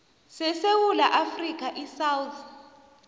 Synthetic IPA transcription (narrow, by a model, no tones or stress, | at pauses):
sɛsewulaʔafrik̬ʰʼaʔisawut̪ʰ